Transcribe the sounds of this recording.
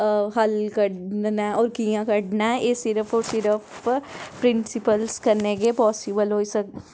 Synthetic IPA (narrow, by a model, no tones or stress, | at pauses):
ɦɐlkɐɽnnaɔːɾkijãkɐɽnajesɪɾəpʰɔːɾsɪɾəpʰ | pɾɪ̃nsɪpəlskɐɾneɡepɔːsɪbəlɦoːisɐk